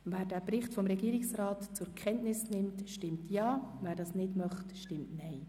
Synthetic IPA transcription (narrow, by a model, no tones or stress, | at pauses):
væːɾdæːpɾɪχtfɔmɾɛɡiːɾɪksɾɑːtt͡sʊɾkʰɛntnɪsnɪmtʃtɪmtjɑːvæːɾdɑːsnɪdmœχtʃtɪmtnɛɪ